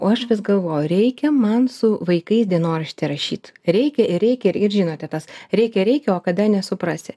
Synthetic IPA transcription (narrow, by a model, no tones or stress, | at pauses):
oːɐʃʋʲɪsɡɐlˠʋoːjʊɾʲɛɪkʲɛmɐnsʊʋɐɪkɐɪsd̪ʲiɛnoːɾɐʃʲt̪ʲɛɾɐʃʲiːt̪ɾʲɛɪkʲɛɪɾɾʲɛɪkʲɛɪɾʒʲiːnoːt̪ʲɛt̪ɐsɾʲɛɪkʲɛɾʲɛɪkʲɛoːkɐd̪ɐnʲɛsʊpɾɑːsʲɪ